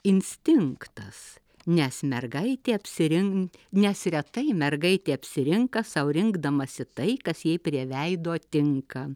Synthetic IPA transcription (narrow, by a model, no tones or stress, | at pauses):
ɪnʲsʲt̪ʲɪŋkt̪ɐs | nʲɛsmʲɛrɡɐɪt̪ʲeːɐpʲsʲɪɾʲɪŋnʲɛsɾʲɛt̪ɐɪmʲɛrɡɐɪt̪ʲeːɐpʲsʲɪɾʲɪŋkɐsɐʊɾʲɪŋɡd̪ɐmɐsʲɪt̪ɐɪkɐsjɛɪpʲɾʲiɛʋʲɛɪd̪oːt̪ʲɪŋkɐ